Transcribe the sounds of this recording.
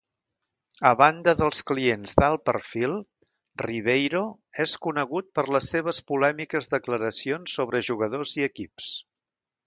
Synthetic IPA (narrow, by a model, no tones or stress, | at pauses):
əβand̪əðəlˠsklienzðalˠpərfilˠ | riβ̞ejɾo | eskunəɣut̪̚pərləsːeβ̞əspulɛmikəzðəkləɾəsionsːoβɾəʒuɣəðoziəkips